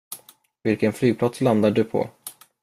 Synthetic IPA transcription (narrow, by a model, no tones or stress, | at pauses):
vɪlkənflyːɡ̚pʰlat̪sland̪aɖɵpʰɔ̰